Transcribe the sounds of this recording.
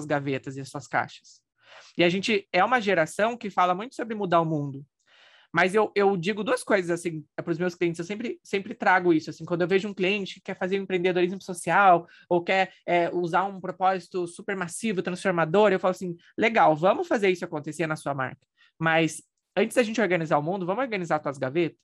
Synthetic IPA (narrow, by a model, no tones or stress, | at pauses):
ɐzɡavet̪ɐzɪɐsuɐska̰ʃɐ̥s | ɪaʒẽnt͡ʃɪɛũmɐʒeɾasɐ̃w̃kɪfalɐmũj̃t̪ʊ̥sobɾɪmud̪aʊmũd̪ʊ | mɐzewʔewd͡ʒiɡʊd̪uɐskojzɐzasĩɛpɾʊzmewskliẽnɪsewsẽpɾɪsẽmpɾɪt̪ɾaɡʊisʊasĩkwɐ̃nd̪ʊewveʒʊũkliẽnt͡ʃɪkɪkɛfazeɾʊ̃ẽpɾẽd̪ed̪oɾizmsosiaw | owkɛɾɛuzaɾũpɾopɔzit̪ʊsupeɾmasivʊt̪ɾɐ̃sfoɾmad̪oɾewfalʊasĩ | leɡawvɐ̃mʊfazeɾisʊakõnt̪esenɐsuɐma̰ɾkɐ̥ | mɐs | ɐ̃t͡ʃɪzd̪ɐʒẽt͡ʃɪoɾɡɐnizaɾʊmũnd̪ʊvɐ̃mʊoɾɡɐnizaɾt̪aɐzɡavet̪ɐ̥s